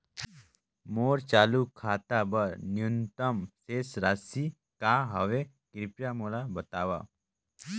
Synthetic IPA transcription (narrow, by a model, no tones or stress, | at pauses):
moːɾt͡ʃaːlukʰaːt̪abəɾnjunt̪əmsesɾasi | kaɦɐʋe | kɾɪpjamolabət̪aːʋa̰